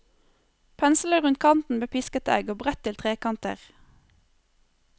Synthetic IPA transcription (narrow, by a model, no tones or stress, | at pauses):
pʰɛnsl̩əʁʉnt̪̚kʰɑnt̪n̩bəpʰɪskət̪ʰæ̰ɡoːbʁɛt̪ʰɪlt̪ʰʁeːkɑnt̪ə̰ʁ